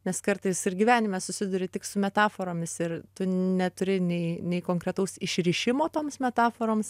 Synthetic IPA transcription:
nʲɛskɐɾt̪ɐɪsɪrɡʲiʋʲæːnʲɪmʲɛsʊsʲɪd̪ʊːɾʲɪt̪ʲɪksʊmʲɛt̪ɑːfoːɾoːmʲɪsɪrt̪ʊnʲɛt̪ʊɾʲɪnʲɛɪnʲɛɪkoːŋkɾʲɛt̪ɐʊsɪʃʲɾʲɪʃʲɪmoːt̪oːmsmʲɛt̪ɑːfoːɾoːms

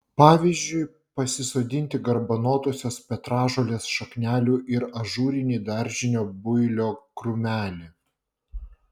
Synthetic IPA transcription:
pɑːʋʲizʲd͡ʒʲʊɪ | pɐsʲɪsoːd̪ʲɪnʲt̪ʲɪɡɐɾbɐnoːt̪oːsʲoːspʲɛt̪ɾɑːʒoːlʲeːsʃɐknʲæːlʲuːʔɪɾɐʒuːɾʲɪnʲiːd̪ɑɾʲʒʲɪnʲoːbʊɪlʲoːkɾʊmʲæːlʲɪ

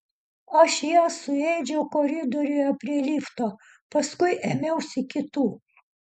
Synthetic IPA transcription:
ɐʃjoːsʊɛɪd͡ʒʲɛʊkoɾʲɪd̪oːɾʲʊjɛpʲɾʲiɛlʲiːft̪oː | pɐskʊɪʔemʲɛʊsʲɪkʲɪt̪uː

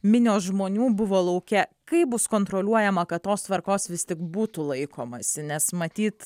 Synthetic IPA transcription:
mʲɪnʲoːsʒmoːnʲuːbʊʋoːlˠɐʊkʲɛkɐɪbʊskoːnt̪ɾoːlʲuɔjɛmɐkɐt̪tːoːst̪ʋɐɾkoːsʋʲɪst̪ʲɪkbuːt̪ʊlˠɐɪkoːmɐsʲɪnʲɛsmɐt̪ʲiːt̪

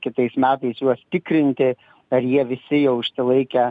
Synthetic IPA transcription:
kʲɪt̪ɐɪsmʲæːt̪ɐɪsjuɔst̪ʲɪkɾʲɪnʲt̪ʲɪ | ɐɾjiɛʋʲɪsʲɪjɛʊɪʃʲsʲɪlˠɐɪkʲɛ

